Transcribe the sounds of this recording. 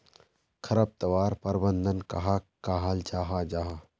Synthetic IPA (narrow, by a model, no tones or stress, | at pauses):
kʰɐɾɐb̚t̪ɐʋaːɾpɐɾbənd̪ənkɐɦakaːɦaːld͡ʒaːɦad͡ʒaːɦa